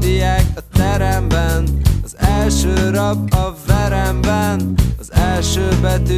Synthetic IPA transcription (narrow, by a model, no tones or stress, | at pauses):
ijaːkɒt̪ɛɾɛmbɛnɒzɛlʃøːɾɒbɒvɛɾɛmbɛnɒzɛlʃøːbɛt̪y